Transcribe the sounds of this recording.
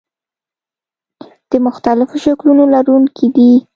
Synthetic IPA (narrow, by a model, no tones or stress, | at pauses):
d̪̥əmʊxt̪alɪfoʃaklunolaɾunkʰed̪i